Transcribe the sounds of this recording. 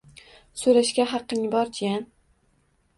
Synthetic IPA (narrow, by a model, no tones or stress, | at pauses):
sɵɾaʃkʲaɦɑqːɪŋbɒɾd͡ʒan